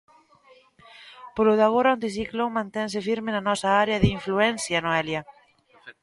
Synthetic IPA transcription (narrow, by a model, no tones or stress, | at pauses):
poloðaɣoɾaõnt̪isiklomãnt̪ɛns̬ɪfiɾmɪnanɔsɐaɾeɐðɪiɱfluɛnsjanoɛljɐ